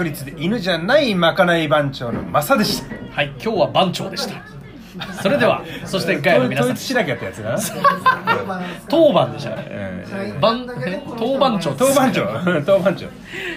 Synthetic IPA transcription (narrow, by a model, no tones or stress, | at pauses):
kɯɾʲit͡sɨd̪e̞ʔinɯ̟ʑanaimakanaibãɲ̟t͡ɕo̞ːno̞̰masad̪e̞ɕi̥t̪ḁhaikʲo̞ːβabãɲ̟t͡ɕo̞̰ːd̪e̞ɕi̥t̪ḁ | so̞ɾe̞d̪e̞βa̰so̞ɕi̥t̪eɡaeainoːit͡sɨ̥ɕinakeat̪ːajat͡sɨd̪a | t̪o̞ːbãnd̪e̞ɕt̪ã̰ | bãnt̪oːbãɲt͡ɕo̞ːt̪oːbãɲt͡ɕoːt̪oːbãɲ̟t͡ɕo̰